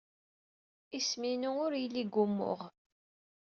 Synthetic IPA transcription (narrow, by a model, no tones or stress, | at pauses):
isminuʊɾjəlːiɡːʊmːʊ̰ʁ